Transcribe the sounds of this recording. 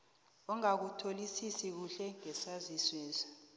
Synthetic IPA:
ɔŋak̬utʰolisisik̬uɬɛŋɛsaziswɛːzḁ

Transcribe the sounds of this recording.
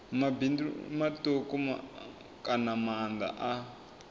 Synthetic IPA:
mabindumatokɔma̰ | kanamand̪a̰ʔa

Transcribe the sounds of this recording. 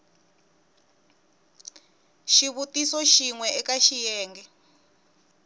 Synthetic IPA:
ʃiβutisɔʃiŋwɛɛkaʃijɛːŋɡɛ

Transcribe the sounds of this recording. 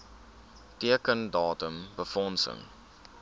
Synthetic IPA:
tiəkəndɑːtəmbəfɔnsə̰ŋ

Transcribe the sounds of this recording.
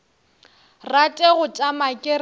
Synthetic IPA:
ratʼeɣʊt͡ʃʼamakʼɪr

